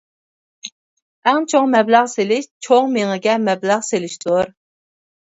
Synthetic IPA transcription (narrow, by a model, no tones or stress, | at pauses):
ɛŋt͡ʃʰoŋmɛblæʁselɪʃt͡ʃʰoŋmeŋɨɡʲɛmɛblæʁselɪʃt̪oɾ